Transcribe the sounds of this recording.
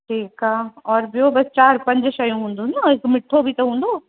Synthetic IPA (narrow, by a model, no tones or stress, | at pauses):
ʈʰiːkaːɔːɾbʱɪjobɐst͡ʃaːɾpɐ̃ɲd͡ʒʃɐjũɦũːnd̪ũːnaɪkmɪʈʰːobʱit̪ɐɦũːnd̪oː